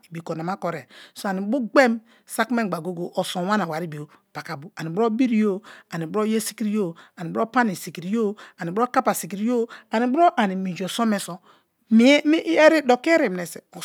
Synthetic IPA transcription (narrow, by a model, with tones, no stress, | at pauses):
i˨bi˨ko˨n˨a˨ma˦ko˨ɾe˨so˦˨a˨ni˨˦bu˦ɡ͡be˦m | sa˦kme˦˨ɡ͡ba˨ɡo˦ɡo˨ʔo˨so˨˦wa˦na˨wa˨ɾi˦bi˨o˨ | pa˨ka˨bu˦a˨ni˨bɾo˦bi˦ɾi˦jo˦a˨ni˨bo˦je˦si̥˦ki˦ɾi˦jo˦a˨ni˨bɾo˦pa˦ni˨si˨ki˨ɾi˨˦jo˦a˨ni˨bɾo˦ka˦pa˨si˨ki˨ɾi˦o˦a˨ni˨˦bɾo˦ʔa˨ni˨mi˨d͡ʒo˨so˦me˨so˨ | mi˦mi˦ʔe˦ɾi˦do˨ki˦ɾi˨m˨ne˨se˨o˨